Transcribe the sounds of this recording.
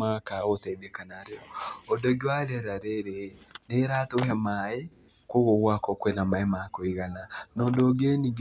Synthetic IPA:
akaotɛdɛkanaɾeɔɔdɔɡewalɛɾaɾeɾeneɾatohɛmae | koɣoɣwakɔkwenamaemakoiɣananɔːndooɡeniɡ

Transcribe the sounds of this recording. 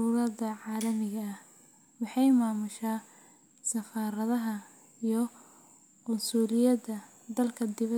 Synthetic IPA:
uːɾɐd̪ɐʕɑːlɐmɪɣɐːh | wɑħɑjmaːmʊʃaː | sɐfaːɾɐðɐɦɐ | ijɞ | ʔʊnsuːlɪjɐdɐ | d̪ɐlkʰɐd̪ɪβɐ

